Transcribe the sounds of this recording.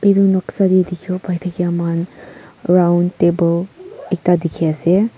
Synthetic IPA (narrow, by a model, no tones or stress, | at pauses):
idunɔksadidikʰiopajtʰakiaman | ɾawntebɔlek̚tadikʰiase